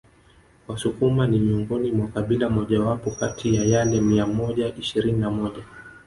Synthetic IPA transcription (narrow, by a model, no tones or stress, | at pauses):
wasukumanimiuŋɡɔnimwakaɓilamɔʄawapɔkatʰijajalɛmiamɔʄaʔiʃiɾininamɔʄa